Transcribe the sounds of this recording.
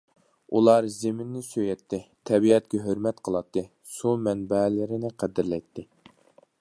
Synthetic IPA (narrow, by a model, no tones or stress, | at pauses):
ulˠɑɾzemɪnːɪsøjɛt̪ʰːɪt̪ʰɛbiɛt̪̚kʲɛɦøɾmɛt̪qʰəlˠɑt̪ːɨ | sumɛnbɛlɪɾɪnɪqʰæd̪ɪɾlɛjt̪ʰːɪ